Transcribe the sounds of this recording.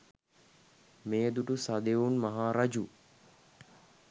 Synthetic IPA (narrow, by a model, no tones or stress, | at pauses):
mejəd̪uʈusad̪eunmaɦaːɾad͡ʒu